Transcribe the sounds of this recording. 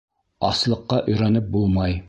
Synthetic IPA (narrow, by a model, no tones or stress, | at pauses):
ɑslˠɤ̆qːɑʔɵ̆jɾɑnɘp̚bulˠmɑj